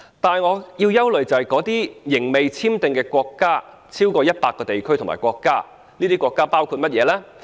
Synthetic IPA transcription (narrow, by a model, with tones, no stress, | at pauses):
t̪aː˨nŋɔː˨˧jiː˧wjɐ˥wlɵ˨ɥt͡sɐ˨hɐ˨jkɔː˨˥t̪iː˥jɪ˨˩ŋme˨jt͡sʰiː˥mt̪ɪ˨ŋkɛː˧kʷɔː˧kːaː˥ | t͡sʰiː˥wkɔː˧jɐ˥t̚paː˧kːɔː˧t̪e˨jkʰɵ˥jt̪ʰʊ˨˩ŋma̰ː˨˩kwɔː˧kːaː˥ | niː˥t̪iː˥kʷɔː˧kːaː˥paː˥wkʰu˧t̚mɐ˥t̚jɛː˨˧lɛː˥